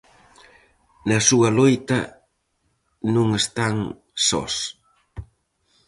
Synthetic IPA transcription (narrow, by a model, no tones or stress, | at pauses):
nɐsuɐlojt̪ɐ | nũŋest̪aŋ | sɔ̰s